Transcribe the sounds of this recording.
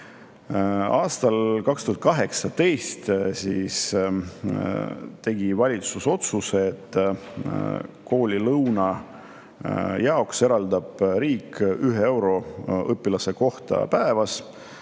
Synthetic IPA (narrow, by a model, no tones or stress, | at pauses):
ɑːst̪ɑlkɑkst̪uhɑt̪kɑɦe̞ksɑt̪e̞jst̪siːs | t̪e̞ɡ̥ivɑlʲit̪suso̞t̪suseːt̪ː | ko̞ːlʲilɤwnɑ | jɑo̞kse̞ɾɑld̪ɑb̥ɾiːkːyɦee̞wɾo̞ʔɤpːilɑse̞ko̞ht̪ɑ̰pæevɑs